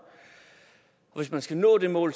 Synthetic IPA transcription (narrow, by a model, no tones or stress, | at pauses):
ɒ̽ʋe̝s̬mænsɡ̥ænɔ̰ːde̝mɔ̰̽ːl